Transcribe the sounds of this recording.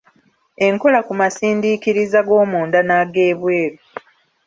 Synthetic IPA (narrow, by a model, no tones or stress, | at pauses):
e̞ŋko̞lakumasiːndikiɾizaɡo̞ːmuːndanaɡe̞ːβwe̞ːɾu